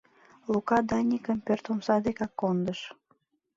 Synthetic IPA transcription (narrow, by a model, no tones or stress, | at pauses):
lukɑd̪ɑnʲikəmpørt̪omsɑd̪ekɑkːond̪əʃ